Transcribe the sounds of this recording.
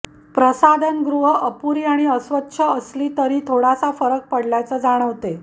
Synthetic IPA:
pɾəsad̪ʱənɡɾuɦəʔəpuɾiːaɽ̃iəsʋətːɕʰəəsliːt̪əɾiːt̪ʰoɽasafəɾək̚pəɽljat͡səd͡zaɽ̃əʋt̪e

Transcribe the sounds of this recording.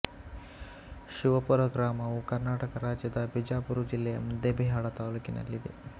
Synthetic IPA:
ʃuʋɐpuɾɐɡɾaːmɐʋukɐɾnaːʈɐkɐɾaːd͡ʒjɐd̪ɐbid͡ʒaːpuɾud͡ʒilːɛjɐmud̪ebiɦaːɭɐt̪aːluːkinɐ̰lːid̪ḛ

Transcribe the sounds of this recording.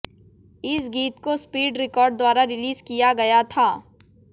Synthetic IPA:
ɪsɡiːt̪kospiːɖɾɪkɔːɾɖ̚d̪waːɾaɾɪliːzkijaɡɐjat̪ʰaː

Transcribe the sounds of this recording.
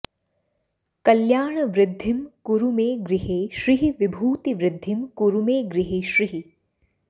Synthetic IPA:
kɐljaːɳɐʋɾɪd̪ʱːimkuɾumeːɡɾiɦeːʃɾiɦiʋibʱuːt̪iʋɾɪd̪ʱːimkuɾumeːɡɾiɦeːʃɾiɦi

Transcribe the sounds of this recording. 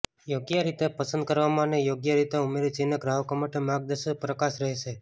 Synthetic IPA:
joɡjəɾit̪epəsənd̪̚kəɾʋamãnejoɡjəɾit̪eumeɾit͡ʃenəɡɾaɦəkomaʈemaɡ̚d̪əʃəpɾəkaʃɾəɦeʃe

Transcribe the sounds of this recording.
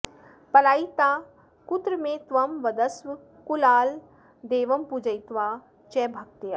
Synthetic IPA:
pɐlaːit̪aː | kʊt̪ɾəmẽt̪ʋɐmʋɐd̪əsʋ | kulaːl | d̪eːʋɐmpud͡ʒɐit̪ʋaː | t͡ʃɛːbʱɐk̚t̪ja

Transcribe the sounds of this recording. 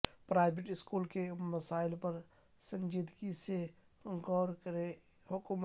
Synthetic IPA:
pɾaːɪbeʈɪskuːlkeməsaːɪlpəɾ | sə̃nd͡ʒid̪kise | əŋkɔːɾkəɾe | hʊkm

